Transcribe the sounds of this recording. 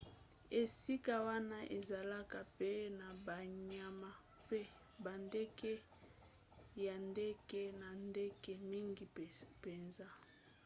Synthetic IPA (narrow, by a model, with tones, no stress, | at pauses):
e˨si˦ka˦wa˦na˦ʔe˨za˨la˦ka˨pe˦na˨ba˨ɲa˨ma˨ | pe˦ | ba˨nde˦ke˦ | ja˨nde˦ke˦na˨nde˦ke˦mi˦ŋɡi˨pe˨nza˦